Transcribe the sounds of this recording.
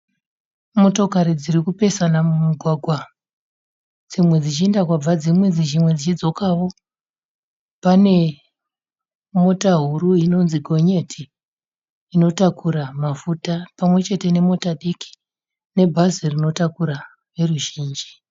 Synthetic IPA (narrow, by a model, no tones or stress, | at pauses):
mo̞to̞kaɾid͡ziɾikupe̞sanamumuɡʱwaɡʱwa | d͡zimwe̞d͡zit͡ʃiendakwab͡vad͡zimwe̞d͡zit͡ʃimwe̞d͡zit͡ʃid͡zo̞kawo̞ | pane̞ | mo̞taɦuɾuino̞nziɡʱo̞ɲe̞tʰiː | no̞takʰuɾamafutapamwe̞t͡ʃe̞te̞ne̞mo̞taɗiki̥ | ne̞bʱazirino̞takuɾa | ʋe̞ruʒiːnd͡ʒi